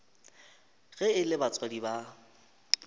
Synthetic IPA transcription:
ɣɛɪlɪbat͡sʼwadiba

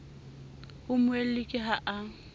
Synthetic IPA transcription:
hʊmʊel̩lɪkʼɪɦaʔa

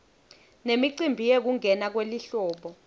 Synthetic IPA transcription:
nemiǀimbʱijek̬uŋʱɛnak̬weliɬɔːɓɔ

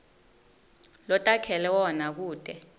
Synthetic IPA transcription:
lɔtʼakʰɛlɛwɔnak̬uːd̥ʱʼɛ

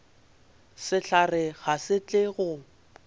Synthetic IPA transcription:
sɪɬarɪɣasɪt͡ɬʼɪɣʊ

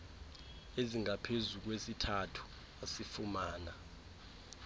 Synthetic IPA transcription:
eziŋapʰezuk̬wesitʰatʰu̥ | asifumaːna

